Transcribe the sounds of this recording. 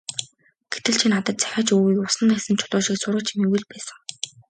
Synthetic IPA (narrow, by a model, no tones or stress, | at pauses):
ɡ̥et̪ɘ̆ɮt͡ɕʰinat̪ə̆t̪t͡sæ̥xʲaːt͡ɕuːɣiːkʊsə̆nːăxsɘ̆nt͡ɕʰʊɮʊːʃiksʊrʁə̆t͡ɕʰimewɘ̆ɮpæːsə̆ŋ